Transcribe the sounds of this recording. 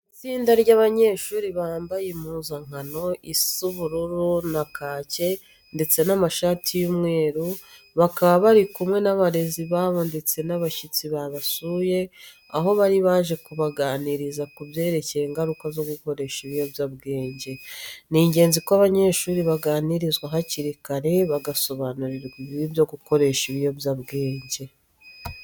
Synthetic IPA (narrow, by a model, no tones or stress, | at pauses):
it͡siːndaɾɟaβaɲe̞ːʃuːɾiβaːmbajemuːzaŋ̥ano̞ʔisuβuɾuɾunakʰaːce̞ | nde̞t͡se̞namaʃaːtʰijumŋe̞ːɾu | βakaβaβaɾikumŋe̞naβaɾe̞ziβaːβo̞nde̞t͡se̞naβaʃit͡siβaβasuje̞ | aɦo̞βaɾiβaːʒe̞kuβaɡaːniɾizakubje̞ːɾe̞ceɾeːŋɡaɾukazo̞ɡuko̞ɾe̞ʃiβijo̞bjabɡe̞ːɲɟe̞niːɲɟe̞ːnzikoaβaɲe̞ʃuːɾiβaɡaːniɾizɡwaɦaciɾikaɾe̞βaɡaso̞βanuɾiɾɡiβiibjo̞ɡuko̞ɾe̞ʃiβijo̞bjaβɡe̞ːɲɟe̞